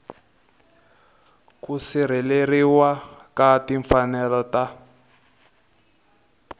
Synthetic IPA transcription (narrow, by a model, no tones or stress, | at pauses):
kusiɾ̤ileriwakatiɱfanɛlɔta